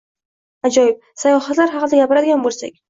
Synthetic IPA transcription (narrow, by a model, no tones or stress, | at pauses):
ad͡ʒɒjɪp̚sajɒhat̪laɾɦɑqɨd̪aɡʲapɪɾad̪ɪɡʲanbolˠsa̰kʲ